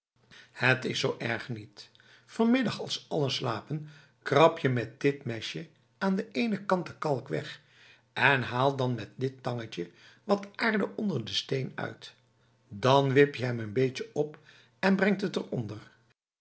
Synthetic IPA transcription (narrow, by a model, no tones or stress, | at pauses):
hətɪsowʔɛɹχnit | fɔɹmɪdɑχɑlˠsɑlˠənslaːpən | krɑpjəmɛt̚d̥ɪtmɛʃjə | aːndəejnəkɑntəkɑlˠkʋɛ̰χ | ɛnɦaːlˠdɑnmɛt̚dɪtːɑŋət͡ʃəʋɑtaːɹdəʔɔndəɹdəstejnœ̰ɥt | dɑnʋɪpjəɦɛmənbejt͡ʃəɔp | ɛnbrɛŋtətərɔndəɹ